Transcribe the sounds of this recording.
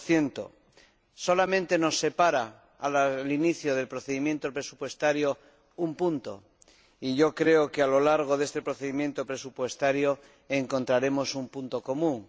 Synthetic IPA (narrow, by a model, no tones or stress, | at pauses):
θje̞nt̪o̰ | so̞lamẽnt̪e̞no̞sːe̞paɾa | alliniθjoð̞e̞lpɾoθeðimjent̪opɾe̞su̥pwe̞st̪aɾjo | umpunt̪o̰ | iʝo̞kɾe̞okealo̞laɾɣ̞oðest̪e̞pɾoθeðimjent̪opɾe̞supwe̞st̪aɾjo | eŋko̞nt̪ɾaɾe̞mo̞sumpunt̪o̞ko̞mũŋ